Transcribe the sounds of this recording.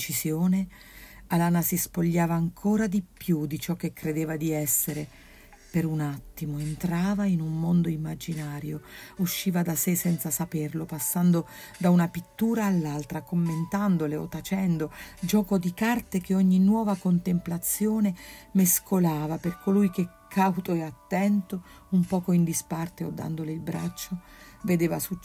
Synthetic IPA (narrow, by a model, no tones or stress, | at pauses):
t͡ʃisjoːne | alaːnasispoʎːaːvaːŋkʰoːɾad̪ipjud̪it͡ʃɔk̟ːekːɾed̪eːvad̪iɛsːeɾe | peɾunat̪ːimoent̪ɾaːvainummond̪oimːad͡ʒinaːɾjouʃːiːvad̪asesːɛnt̪sasaperlopasːand̪o | d̪aunapit̪ːuːɾaːlːalt̪ɾakomːent̪and̪oleo̰t̪ːat͡ʃɛnd̪od͡ʒɔːkod̪ikart̪ekeɔɲːinwɔːvakont̪emplat̪sːjoːnemeskʰolaːvaperkolujk̟ekʰːawt̪oɛat̪ːɛnt̪o | umpɔːkoind̪ispart̪eo̰d̪ːa̰nd̪oleilbɾa̰t͡ʃːo | ved̪eːvasut͡ʃ